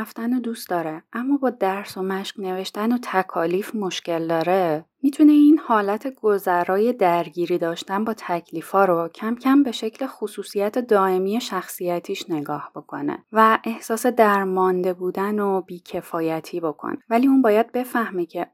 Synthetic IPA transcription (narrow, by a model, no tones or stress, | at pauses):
ft̪ænod̪ust̪d̪ɒːɾeʔæmːɒːbɒːd̪æɾso̞mæʃkne̞ve̞ʃt̪ænot̪ʰækʰɒːliːfmo̞ʃce̞ld̪ɒːɾe̞mit̪ʰune̞inhɒːlæt̪ʰe̞ɡozæɾɒːje̞d̪æɾɟiːɾiːd̪ɒːʃt̪ænbɒːt̪ʰæcʰliːfɒːɾocʰæmcʰæmbe̞ʃe̞cʰle̞xosuːsijæt̪ʰe̞d̪ɒːe̞miːje̞ʃæxsijæt̪ʰiːʃne̞ɡɒːhbo̞kʰo̞nḛvæʔe̞hsɒːse̞d̪æɾmɒnd̪e̞buːd̪ænob̥iːcʰe̞fɒːjæt̪ʰiːbo̞kʰo̰nevæliːunbɒːjæd̪̚be̞fæhmecʰe̞